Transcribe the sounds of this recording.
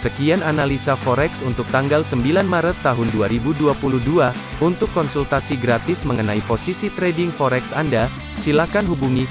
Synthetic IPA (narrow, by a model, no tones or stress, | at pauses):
səkiananalisafɔɾɛksunt̪ʊk̚t̪aŋɡalsəmbilanmaɾət̪ːaɦʊnduaɾibuduapuluhdua | unt̪ʊkːɔnsult̪asiɡɾat̪ɪsməŋənaiposisit̪ɾɛdɪŋfɔɾɛksanda | silahkanɦubuŋi